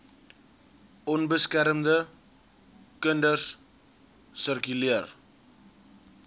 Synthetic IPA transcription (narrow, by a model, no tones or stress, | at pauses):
ɔnbəskɛɾəmd̪ə | kəndərs | sərkyliər